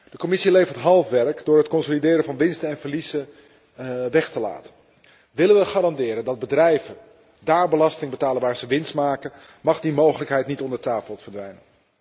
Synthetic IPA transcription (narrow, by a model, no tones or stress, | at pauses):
d̥əkomɪsilejvəɹtɦɑlˠfʋɛɹkdʊːɹɦətkɔnsolidɪːɾəvɑnʋɪnstənɛnvəɹlizə | ʋɛχtəla̰ːtə̥n | ʋɪlənʋəχaːɾɑndɪːɾəndɑd̚bədrɛjvə | daːɹbəlɑstɪŋbətaːlənʋaːɹzəʋɪnstmaːkənmɑχdimowχələkɦɛjtnitɔndəɹtaːfəlˠfəɹdʋɛjnən